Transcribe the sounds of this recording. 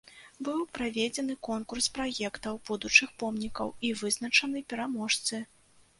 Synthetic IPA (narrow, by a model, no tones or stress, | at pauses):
bɨwpɾavʲed͡zʲɛn̪ɨkɔnkurspɾajɛkt̪ɐwbud̪ut͡ʂɨxpɔmnʲikɐ̰wivɨznɐt͡ʂɐnɨpʲɛɾamɔʂt̪sɨ